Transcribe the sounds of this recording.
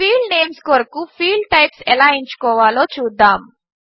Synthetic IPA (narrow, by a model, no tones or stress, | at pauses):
fiːlneːmskoɾɐkufiːlʈɐjpsɛlaːiɲt͡ʃu̥kɔːʋaːloːt͡ʃuːd̪ːaːm